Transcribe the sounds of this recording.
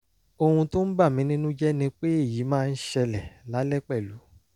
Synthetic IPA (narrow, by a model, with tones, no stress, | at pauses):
o˧hũ˧to˦n̩˦ba˦˨mĩ˨˦nĩ˦nũ˦d͡ʒɛ˦nĩ˧k͡pe˦e˦˨ji˨˦mãː˦˧n̩˦ʃɛ˧lɛ˨la˨˦lɛ˦k͡pɛ˦˨lu˨˦